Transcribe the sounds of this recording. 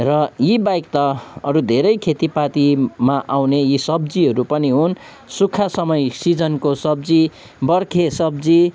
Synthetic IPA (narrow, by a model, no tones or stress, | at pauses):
rʌjibajkt̪ʌʌɾud̪ʱeɾʌjkʰet̪ipat̪imaʔawnejisʌbd͡ziɦʌɾupʌniɦun | sukʰːasʌmʌjsid͡zʌnkosʌbd͡zi | bʌrkʰesʌbd͡zi